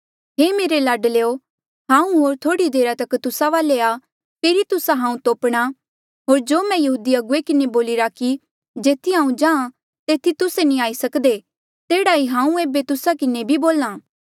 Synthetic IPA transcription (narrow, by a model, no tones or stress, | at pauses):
ɦeːmeːɾelɐɖleːo | ɦãːũɦoːɾt̪ʰoːɽid̪eːɾat̪ɐkt̪ʊsaʋaːlea | keːɾit̪ʊsaɦãːũt̪oːpɽ̃a | ɦoːɾd͡ʒoːmɛ̃jɐɦuːd̪iɐɡʊekɪneboːlɪɾaki | d͡ʒeːt̪ʰiɦãːũd͡ʒãːã | t̪eːt̪ʰit̪ʊsenĩaːisɐkd̪e | t̪eːɽaɦiɦãːũeːbet̪ʊsakɪnebʱiboːlãː